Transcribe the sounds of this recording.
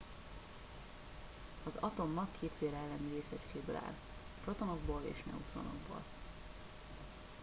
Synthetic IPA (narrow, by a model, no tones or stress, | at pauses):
ɒzɒt̪o̞mːɒkʰːeːt̪feːɾɛlːɛniɾeːsɛt͡ʃkeːbøla̰ːl | ʃrɒt̪onoɡ̚boːlḛːʃnɛ̰ut̪ɾo̰no̰ɡbo̰ːl